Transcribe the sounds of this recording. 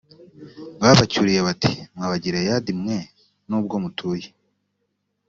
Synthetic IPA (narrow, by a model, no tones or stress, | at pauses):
βaːβacuɾije̞βati̥mŋaβaɟiɾejadimŋe̞ | nuːb̚ɡo̞mutʰuːje